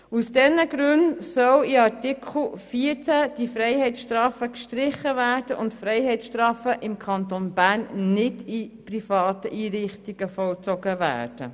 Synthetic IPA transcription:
usd̥ɛnəɡɾʉntsœwiɑɾtɪkʰl̩fiːəɾt͡sæd̥ifɾɛɪhɛɪtʃtɾɑːfəkʃtɾɪχəvæːɾd̥əʔʊntfɾɛɪɦɛɪt͡ssʃtrɑːfəʔɪmkʰɑnt̪onbæːnːɪdiprifɑːt̪əʔiːɾɪχtiɡ̥əfɔlt͡sɔɡ̥əvæ̰ːrd̥ə̰

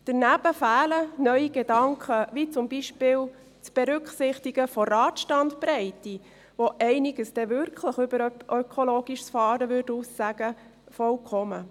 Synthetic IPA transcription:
d̪̥əɾnæb̥əfæːlənœɥiɡ̥edɑŋkχəʋit͡sʊmbiʃpɪːl | t͡sb̥eɾʉkχsɪχtiɡəfɔrɑːt̪ʃtɑntpɾɛɪti | ʋoʔɛɪnɪɡ̥əsd̥ɛʋʏɾkʰləχʏbəɾʔøkʰoloːɡ̥iʃsfɑːɾəʋʏɾdusːæɡ̥ə | fɔlkʰɔmə

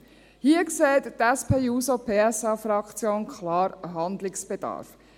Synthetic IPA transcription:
hiːəkseːt̪tɛspʰeːuːsopʰeːɛsɑːfɾɑkt͡sjoːnkʰlɑːɾɦɑnd̪lɪksb̥ed̥ɑ̰ːɾf

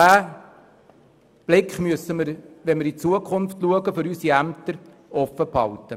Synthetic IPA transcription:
æː | b̥lɪkχmyəsəməɾʋɛnmɪɾit͡suəkʰʊnftluəɡəfʏɾysiæmt̪əɾ | ɔfəphɑ̰ltə

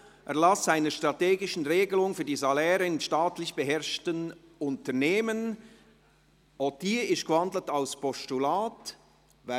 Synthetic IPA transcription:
ʔɛɐlasz̥aɪnəʃtʁ̥ɑteːɡɪʃn̩ʁeːɡəlʊŋfyːɐdiːzalɛːɾənʃtaːtlɪçb̥əɦɛʁʃtən | ʊntəneːmən | ɔtiːɪstɡ̥əvɑndl̩taʊspʰɔstulaːt | va

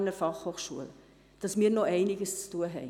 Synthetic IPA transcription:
nəɾfɑχhoːχʃṵə̰l | d̥ɑsmiːɾnoʔɛɪnɪɡəst͡stuəɦɛ̰ɪ

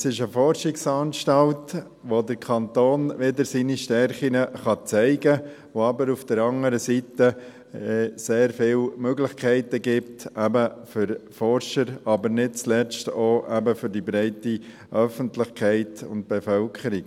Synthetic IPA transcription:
sɪʃəfɔɾʃɪksɑːnʃtɑlt | ʋodəɾkʰɑnt̪oːnʋɪdəɾsiniʃtɛɾχinəχɑt͡sæɪɡə | ʋoɑbəɾufd̥əɾɑŋəɾəsitə | ɛseːɾfɪlmøɡlɪχkχæɪtəɡɪp̚tæbəfʏɾfɔrʃəɾɑbəɾnɪt̚t͡slɛt͡stoːʔæbəfʏɾdibɾɛɪti | ʔœfəntlɪχkʰæɪtʊ̰nt̚b̥ɛfœlkʰχəɾik

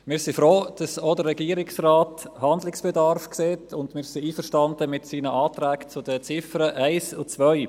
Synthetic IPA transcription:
mɪːɾsifɾoːd̥ɑsodəɾɛɡiːəɾɪksraːthɑndlɪksb̥ɛdɑɾfkseːtʰʊndmɪːɾsiiːfəɾʃtɑndəmɪtsiːnəʔɑːtɾæːkt͡sʊdət͡sɪfəɾəʔæɪsʊt͡svœʏ

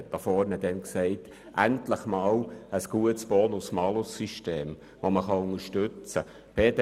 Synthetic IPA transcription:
td̥ɑfɔːɾnədɛnksɛɪt | ʔæntləχmɑːləsɡ̥uətsb̥ɔːnʊsmɑlʊsːiʃteːm | ʋoməχɑʊŋəʃtʏt͡sə | b̥ed

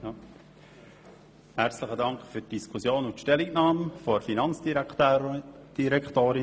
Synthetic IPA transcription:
ja | hæɾt͡sləχədɑŋkχfytd̥iskʰusjoːnʊntʃtɛliknɑːmfɔɾfinɑnt͡sd̥itː | d̥iɾɛktoːɾi

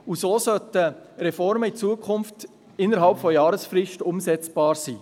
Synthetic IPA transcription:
usoːsœtəɾɛfɔɾməit͡suːəkʰχʊnft | ɪnːəɾɦɑlpfɔjɑːɾəsfɾɪʃtʊmsɛt͡sb̥ɑːɾsiː

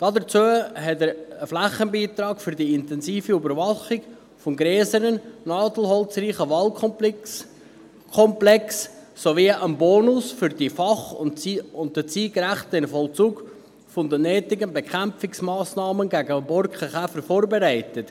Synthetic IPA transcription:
d̥ɑdəɾt͡suəɦɛtəɾəflæχːənbiːt̪ɾɑːɡfʏɾdiɪntɛnsiːfiybəɾvɑχɪɡ | fɔmɡɾɛːsəɾənnɑːdl̩ɦɔlt͡sriːχəʋɑlkʰɔ | kʰɔmplɛksːoviʔənboːnʊsfʏɾd̥ifɑχʊʊn̚ət͡siːɡɾæχtəɪnfɔlt͡suːɡ | fɔnd̪ənɛːtɪɡənbekʰæmfɪksmɑːsnɑːmənɡæɡəbɔɾkχəχæfəɾfoːɾbeɾæɪtət

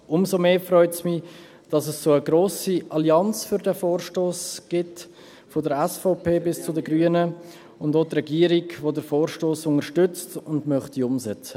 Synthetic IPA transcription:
ʔʊmzomeːfrœʏtsmi | d̥ɑsəssoːəɡɾoːsiʔɑliɑnt͡sfʏɾdɛfoːɾʃtoːsɡ̥ɪt | fodəɾɛsfɔʊpʰeːbɪst͡sʊdəɡɾyənə | ʊndotrɛɡiːəɾiɡʋodəɾfoːɾʃtoːsʊŋəɾʃtʏt͡stʊndmœχtiʊmsɛt͡sə̥

